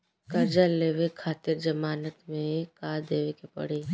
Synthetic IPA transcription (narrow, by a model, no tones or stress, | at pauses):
kɐɾd͡ʒalːeːʋekʰaːt̪ɪɾd͡ʒɐmaːnət̪mẽkaːɾd̪eːʋekepɐ̰ɽ̤eː